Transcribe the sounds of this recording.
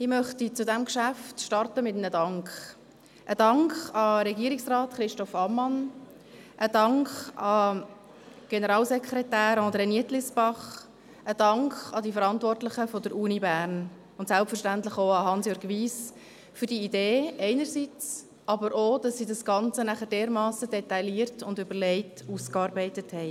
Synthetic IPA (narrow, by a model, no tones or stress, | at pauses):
ɪmœχtit͡sʊdɛmkʃæftʃtɑrtəmɪtnədɑŋkχ | ʔəd̥ɑŋkχɑɾɛɡiːɾiksrɑːtχɾɪʃtɔfɑmːɑn | ʔəd̥ɑŋkχɑ | ɡ̥ɛnəɾɑːlsɛkʰɾɛtæːɾɑ̃ːd̪ɾeniətlɪsbɑχ | əd̥ɑŋkχɑdifəɾɑntvɔrtlɪχəfɔdəɾʔuːnibæːɾn | ʊntsælpfərʃtæntlɪχoʊɑɦɑnsjøːɾɡʋiːs | fʏɾdiideːʔɛɪnəɾsit͡s | ʔɑbəɾʔoːd̥ɑsːidɑsɡ̥ɑnt͡sənæχəd̥eːɾmɑːsədɛtɑɪliːɾtʊndʏbəɾlɛɪtuːskɑːɾbɛɪtəthɛɪ